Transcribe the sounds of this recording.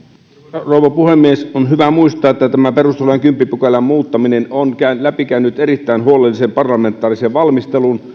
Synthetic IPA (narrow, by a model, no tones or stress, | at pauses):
roˑuʋˑɑpuhemːiesonhyʋæmuist̪ˑɑːʔet̪ːæt̪æmæperust̪elojɑŋkympːipukelæmmuːt̪ːɑminenonkænlæpikænːyt̪eɾit̪ːæˑinhuolelːisempɑrlɑment̪ˑɑːriseʋʋɑlmist̪elun